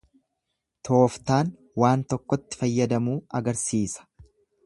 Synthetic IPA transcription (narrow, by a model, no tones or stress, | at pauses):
t̪ʰo̞ːft̪aːn | waːnt̪ɔkːɔt̪ːɪ̥fɐjːɐd̪ɐmuːɐɡɐɾsiːsɐ̥